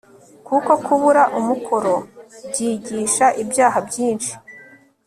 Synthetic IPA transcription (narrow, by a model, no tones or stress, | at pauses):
kuko̞kuβuɾaʔumukʰoɾo̞bɟiːɟiːʃaʔibjaːɦabjiːnʃi̥